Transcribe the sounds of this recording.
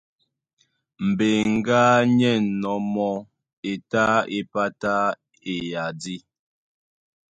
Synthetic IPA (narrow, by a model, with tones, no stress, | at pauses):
m̩˨be˨ŋ̩˦ɡaː˦ɲɛ˦˨nɔ˨˦mɔ˦ | e˨ta˦e˦pa˦ta˦ | e˨ja˨di˦